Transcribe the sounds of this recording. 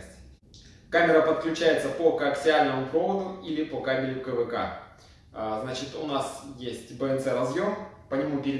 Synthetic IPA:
sʲtʲ | kamʲɪɾəpət̪klʲʉt͡ɕæjɪt̪səpokɐksʲɪalʲnəmʊpovəd̪ʊilʲɪpokamʲɪɾʲɪkəvɨka̰ | znat͡ɕɪt̪ʊnasjesʲtʲbəɛnsɛɾɐzjo̞mpənʲɪmupʲɪɾʲɪ

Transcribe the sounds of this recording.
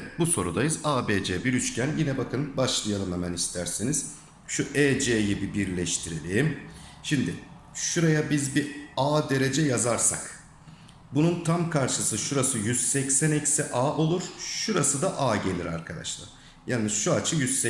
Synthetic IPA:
ɛt̪̚buso̞ɾud̪ajɯzaːbeːd͡ʒɛːbiɾyt͡ʃcʰænjinɛbakʰɯnbaʃlˠɯjalˠɯmlˠamanist̪ʰæɾsiniz̥ | ʃuʔeːd͡ʒejibibiɾlʲɛʃt̪ʰiɾilʲiːmʃimd̪ɪ | ʃuɾajabizbiaːd̪e̞ɾe̞d͡ʒɛjazaɾsa̰k | bununt̪ʰamkʰaɾʃɯsɯʃuɾasɯjyz̥sɛcsænɛcsiʔaːʔo̞lˠuɾ̥ʃuɾasɯd̪aʔaːɟe̞lʲiɾa̰ɾkʰad̪a̰ʃlˠa̰ | janɯz̥ʃuat͡ʃʰɯjyz̥sɛ

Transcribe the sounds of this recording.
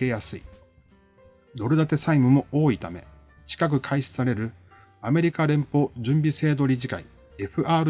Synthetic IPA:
e̞jasɨḭ | d̪o̞ɾɯ̟d̪at̪e̞saimɯ̟mo̞ʔoːit̪ame̞̰ | t͡ɕi̥kak̬ɯ̟kʰaiɕsaɾe̞ɾɯ̟ | ame̞ɾʲikaɾẽ̞mpo̞ːʑɨ̃mbʲise̞ːd̪o̞ɾʲiʑikai | e̞ɸɯ̟aːɾɯ

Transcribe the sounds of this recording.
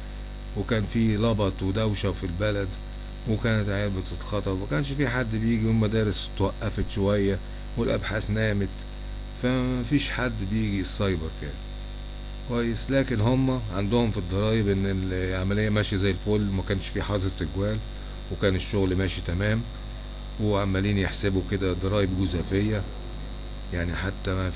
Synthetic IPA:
wekæːnfiːlɑbɑt̪ˤwed̪æwʃæwfilbælæd̪ | wekæːnæt̪ʕeːbet̪ˤɑlxɑt̪ˤɑwmækæːnʃfiħad̪ːbjiːɡiwɪlmæd̪æːɾɪst̪wæʔːæfet̪ʃowæjːæ | wɪlʔæ̰bħaːsnæːmet̪ | fæmæfiːʃħad̪ːbejiːɡisˤːɑjbeɾˤkæ̰ːn | kwæjːeslæːkenhomːæʕand̪ʊhomfid̪ˤːɑɾˤɑːjebʔenːelʕamælejːæmæːʃizæjːelfolːmækæːnʃfiːħɑzˤeɾˤt̪eɡwæːl | wekæːneʃːoɣlmæːʃit̪æmæːm | weʕamːæliːnjeħsebuked̪æd̪ˤɑɾˤɑːjebɡʊzæːfejːæ | jaʕniħat̪ːææ

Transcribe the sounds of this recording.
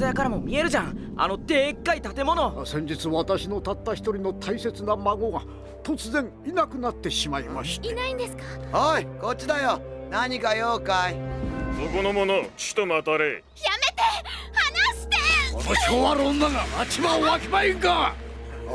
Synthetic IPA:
ajakaɾamo̞mʲie̞ɾɯ̟ʑãŋ | a̰no̞t̪e̞ːkːait̪at̪e̞mo̞no̞sẽ̞ɲ̟d͡ʑit͡sɨβat̪aɕino̞t̪at̪ːaçi̥t̪oɾʲino̞t̪ʰaise̞t͡sɨnamaɡo̞ɡa | t̪o̞t͡sɨzẽ̞ŋ | inakɯ̟nat̪ːe̞ɕimaima̰ɕi̥t̪inaĩnd̪esɨ̥kahoiko̞t͡ɕːid̪ajonaɲikajoːkaid̪okonomonot͡ɕi̥t̪omat̪aɾe | jamet̪e | hanaɕi̥t̪eonoɕikoβaɾõnːaɡaat͡ɕimaoβakemaiŋka

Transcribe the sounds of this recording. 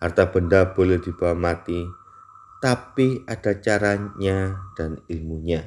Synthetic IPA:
hart̪ab̥əndab̥olɛhd̥i̤b̥awamat̪i | t̪apiad̥at͡ʃaɾaɲad̥anilmuɲa

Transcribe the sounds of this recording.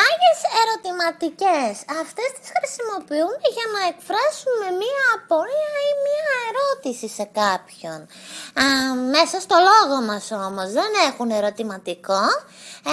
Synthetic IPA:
ɐʝe̞se̞ɾo̞t̪imɐt̪ice̞sɐft̪e̞st̪i̥sxɾisimo̞piumeʝɐnɐekfɾɐsume̞miɐːpoliɐimiɐe̞ɾo̞t̪isise̞kɐpço̞n | me̞sɐst̪o̞lo̞ɣo̞mɐso̞mo̞zðe̞ne̞xune̞ɾo̞t̪imɐt̪iko̞

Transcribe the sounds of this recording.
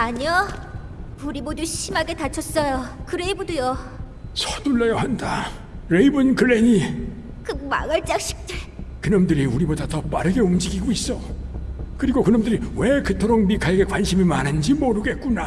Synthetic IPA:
aɲʌ | uɾiboduɕʰimaɡe̞tat͡ɕʰʌs͈ʌjokɯɾebodojo | sʰʌtuɭːejʌhanda | ɾeibɯnkɯɭːeɲi | kɯɡma̰ɡɯɭt͡ɕ͈ak̚ɕ͈ʰi̥k̚t͈ekɯnʌmdɯɾiuɾibodatʌp͈a̰ɾɯɡe̞umd͡ʑiɡiɡois͈ʌ | kɯɾiɡokɯnʌmdɯɾiwekɯtʰoɾoŋmikaɡe̞kwanɕʰimimanɯnd͡ʑimoɾɯɡe̞t̚k͈una

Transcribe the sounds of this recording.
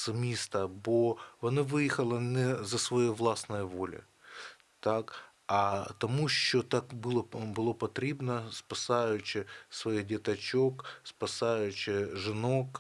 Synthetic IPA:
sɐmʲist̪ɐboɐnavɨjɪxɐlˠɐnʲɛzɐsvɐjovlˠasnəjəvolʲɪ̰ | t̪ak | ɐt̪ɐmuɕːot̪akbɨlˠəbɨlˠopɐt̪ɾʲebnəspɐsajʊt͡ɕːɪsvɐiɣdʲɪt̪ɐt͡ɕokspɐsajʉt͡ɕːɪʐɨno̞k

